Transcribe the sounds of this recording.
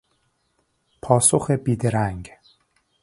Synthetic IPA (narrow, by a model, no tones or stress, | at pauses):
pʰɒːsoxebiːd̪eɾæŋɡ